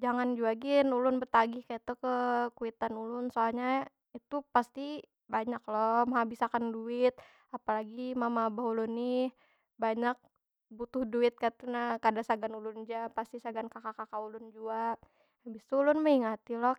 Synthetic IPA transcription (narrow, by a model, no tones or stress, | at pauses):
d͡ʒaŋand͡ʒuaɡinulʊnbət̪aɡihkait̪ukəkuit̪anulʊnsoalɲa | it̪upast̪i | baɲaklɔmaɦabisakanduɪt̪̚ | apalaɡimamabaɦulʊnɪh | baɲak̚ | but̪ʊhduɪt̪̚kat̪unakadasaɡanulʊnd͡ʒapast̪isaɡankakakakaulʊnd͡ʒua | habist̪uulʊnməiŋat̪ilɔh